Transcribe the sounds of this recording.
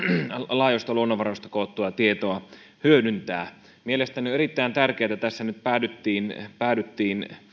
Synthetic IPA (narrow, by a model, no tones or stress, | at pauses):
lɑˑijost̪ɑluonːoʋʋɑrost̪ɑkoˑːt̪ːuɑt̪iet̪oɑ | hyødynt̪æː | mielest̪ænioerit̪ːæint̪ærkeːt̪æt̪æsːænyt̪̚pæːdyt̪ːiːnpæˑːdyt̪ːiːn